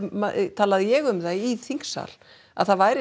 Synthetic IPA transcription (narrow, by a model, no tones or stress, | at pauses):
mat̪ʰaːlaðɪjɛɣʏmðajiθiŋ̥ksa̰l | a̰ðθaðvaːjɾɪ